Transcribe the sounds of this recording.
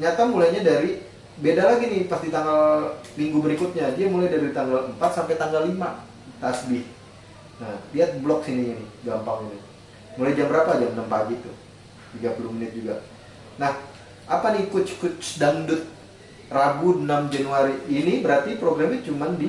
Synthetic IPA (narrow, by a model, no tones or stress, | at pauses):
ɲat̪amulajɲadaɾi | bedalaɡinɪhpast̪it̪aŋɡalmiŋɡubəɾikʊt̪̚ɲadiamulajdaɾit̪aŋɡaləmpat̪̚sampajt̪aŋɡalːima | t̪asbɪh | nahliat̪̚blɔk̚siniɲanɪhɡampaŋinu | mulajd͡ʒambəɾapad͡ʒamnəmpaɡit̪u | tiɡapuɾumənɪt̪̚d͡ʒuɡa | nah | apanikʊtt͡ʃkʊt̪̚sədaŋdʊt̪̚ | rabunamd͡ʒanuaɾiːnibəɾart̪ipɾoɡɾamɲat͡ʃumandi